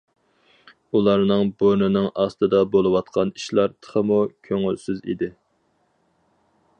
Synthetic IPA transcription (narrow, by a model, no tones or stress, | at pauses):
ulˠɑɾnɨŋboɾnɨnɨŋɑst̪ɨd̪ɑbolˠɨwɑt̪qʰɑniʃlˠɑɾt̪ʰə̥χəmukʲʰøŋylsyzḭd̪ɪ